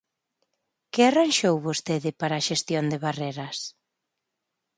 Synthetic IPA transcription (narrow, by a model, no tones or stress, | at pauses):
kɪaranʃowβost̪eðɪpaɾaːʃest̪jond̪eβareɾɐs